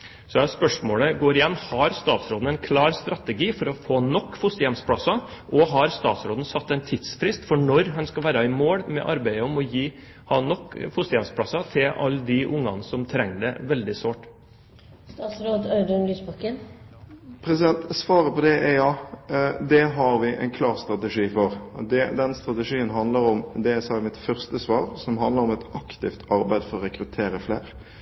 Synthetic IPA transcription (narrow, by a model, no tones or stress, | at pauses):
sɔæspœʂmoːɽəɡoːɾɪjɛnːhɑɾst̪ɑːt̪sɾoːd̪n̩ɛɪnkʰlɑːɾst̪ɾɑt̪əɡiːfɔɾɔfoːnɔkːfʊst̪əjɛmspʰɽɑsɑʔɔɦɑɾst̪ɑːt̪sɾoːd̪n̩sɑt̪ːɛɪnt̪ʰɪd̪sfɾɪst̪fɔɳɔɾɦɑnskɑlʋæːɾɑɪmoːɽmɛ̰ʔɑɾbæɪəɔmɔjiː | hɑnːɔkːfʊst̪əjɛmspʰɽɑsɑt̪ʰɪlʔɑ̰lːd̪ɪʔʊŋːɑ̰nəsɔmt̪ʰɾɛŋːəɖɛ̰ʋɛld̪ɪsʋoːʈ | st̪ɑːt̪sɾoːd̪ɑʉd̪ʊnlyːsbɑkən | pʰɾɛsɪd̪ɛnt̪sʋɑːɾəpɔd̪ɛʔɛjɑː | d̪ɛɦɑɾʋɪʔɛ̰ɪnkʰlɑːʁst̪ɾɑt̪ɛʂiːfɔɾd̪ɛd̪ɛnst̪ɾɑt̪ɛʂiːənɦɑnd̪ləɾɔmd̪ɛæsɑːɛmɪt̪fœʁst̪əsʋɑːɾsɔmɦɑnd̪ləɾɔmɛt̪ɑkt̪ɪft̪ʰɑɾbæɪd̪fɔɾɔɾɛkɾʉt̪ʰeːɾəfleːɾ